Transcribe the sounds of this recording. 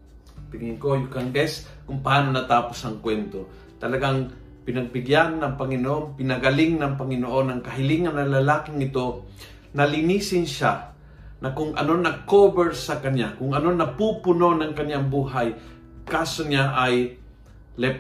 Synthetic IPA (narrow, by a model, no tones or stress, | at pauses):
pɪɡɪŋkojʊkɐŋɡɛs | kʊmpɐʔaːnonɐt̪aːposɐŋkwɛnt̪o̞ | t̪ɐlɐɡaŋ | pɪnɐɡ̚bɪɡjanːɐŋpɐŋɪnompɪnɐɡɐlɪŋnɐŋpɐŋɪnoʔo̞nɐŋkɐɦɪliŋɐnːɐlɐlaːkɪŋɪt̪o̞ | nɐlɪniːsɪnʃa̰ | nɐkʊŋʔɐno̞nɐɡ̚kobɛɹsɐkɐɲjakʊŋʔɐno̞nːɐpupʊno̞nɐŋkɐɲjaŋbuːɦaj | kaːsoɲaʔaj | lɛ